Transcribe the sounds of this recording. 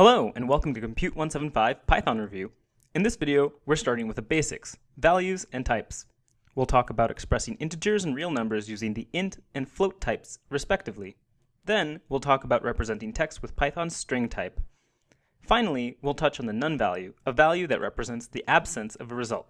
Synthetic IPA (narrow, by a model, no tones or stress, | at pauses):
hɛloʊɨ̃nwɛlˠkm̩tɨkʰm̩pʰj̥ʉʔ̚wʌ̃nsɛvn̩faɪv̥pʰaɪθɑ̃nɹɨvjʉ | ɨ̃nðɪsvɪɾioʊwɨɹstɑɹɾɪ̃ŋwɨðəbeɪsɨ̰ks | vælˠjʉzɨ̃ntʰaɪps | wilˠtʰɔkəbaʊɾɨkspɹɛsɪ̃ŋɪ̃ntɨd͡ʒə˞z̃n̩ɹilˠnʌ̃mbə˞zjʉzɪ̃ŋðiʔɪ̃ntɨ̃nfloʊtʰaɪpsɹɨspɛk̚tɨvli | ðɨ̃nwilˠtʰɔkəbaʊʔɹɛpɹɨzɛ̃ntɪ̃ŋtʰɛksts̚wəð̥pʰaɪθɑ̃nstɹ̥ɪ̃ŋtʰaɪp | fãɪ̃nl̩ˠiwilˠtʰʌt͡ʃn̩ðɨnʌ̃nvæ̰lˠjʉəvælˠjʉðɨ̰ʔ̚ɹʔɛ̰pɹɨzɛ̃ntsðiʔæb̥sɨ̃nsʌvəɹɨzʌ̰lˠt̚